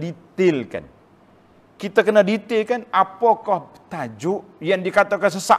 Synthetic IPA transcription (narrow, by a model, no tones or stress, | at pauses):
dit̪ɪlka̰n | kit̪akənadit̪ɪlkanapokɔh | t̪ad͡ʒʊʔ | jaŋdikat̪okans̬əsa̰